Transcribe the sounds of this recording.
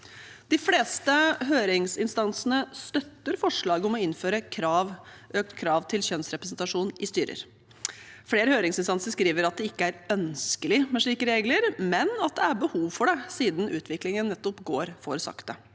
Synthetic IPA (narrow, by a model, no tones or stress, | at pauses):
d̪̥ɪfleːst̪əɦøːɾɪŋsɪnst̪ɑnsənəst̪œt̪ːəɾfɔʂɭɑːɡəɔmɔɪnːføːɾəkʰɾɑːʋʔøːk̚t̪kʰɾɑːʋt̪ʰɪlçœnsɾɛpɾəsnt̪ɑʂuːnʔɪst̪yːɾə̰ɾ | fleːɾəhøːɾɪŋsɪnst̪ɑnsəɾʂkɾiːʋəɾɑt̪̚d̪ɛɪkːəæɾœnskəlɪmɛʂɭiːkəɾeːɡləɾmɛnɑt̪̚d̪ɛæɾbəhuːʋfɔɖɛsiːd̪n̩ʉ̰ːt̪ʰʋɪklɪŋənːɛt̪ːɔpɡoːɾfoːɾsɑ̰kt̪ə